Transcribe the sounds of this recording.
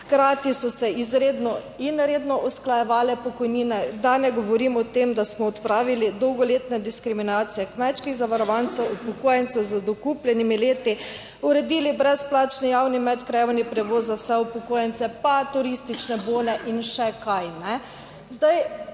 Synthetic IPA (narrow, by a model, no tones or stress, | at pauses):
xkɾaːt̪isɔsɛizɾeːd̪nɔ | inɾeːd̪nɔʔɔsklajɛʋaːlɛpɔkɔjninɛd̪anɛɡɔʋɔɾimɔt̪emd̪asmɔɔt̪pɾaːʋilid̪ɔwɡɔleːt̪nɛd̪iskɾiminaːt̪sijɛkmɛt͡ʃkiɣzaʋaɾɔʋant̪sɛwupɔkoːjɛnt̪sɛzəd̪ɔkuplʲjɛnimileːt̪i | uɾɛd̪iːlibɾɛsplaːt͡ʃnɔjawnimɛt̪kɾɛjɛʋɔnipɾɛʋoːzzawsɛupɔkoːjɛnt̪sɛpat̪uɾist̪it͡ʃnɛboːnɛʔinʃɛkajnɛ | zd̪aj